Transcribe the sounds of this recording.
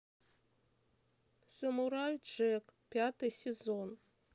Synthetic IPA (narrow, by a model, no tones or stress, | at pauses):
səmuɾajʐɛkpʲat̪ɨjsʲezon